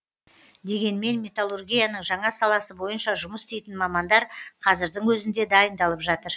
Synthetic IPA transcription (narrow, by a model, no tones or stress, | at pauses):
d̪e̞ɡʲe̞nme̞nmʲe̞t̪alˠurɡʲijanəɴʒɑɴɑsɑlˠɑsəbo̞jənʃɑʒʊməst̪ejt̪ɪnmɑmɑnd̪ɑɾqʰɑzɪɾd̪ɪŋwɵzɪnd̪e̞d̪ɑjənd̪ɑlˠəpʒɑt̪əɾ